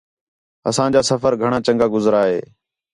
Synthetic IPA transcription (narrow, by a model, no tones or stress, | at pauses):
əsãːd͡ʒaːsəfəɾɡʱəɳ̃ãːt͡ʃəŋɡaːɡʊzɾaːɦḛː